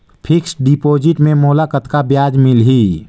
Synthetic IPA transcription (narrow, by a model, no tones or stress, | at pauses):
pʰɪksɖipoːd͡ʒɪʈmẽmoːlakət̪kabjaːd͡ʒmɪlɦiː